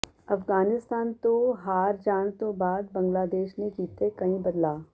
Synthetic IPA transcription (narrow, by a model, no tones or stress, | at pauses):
ɐfɡaːnɪst̪aːnt̪oɦaːɾd͡ʒaːnt̪obaːd̪bɐ̃ŋɡlaːd̪eːʃnekiːt̪ekɐɦĩbɐd̪laː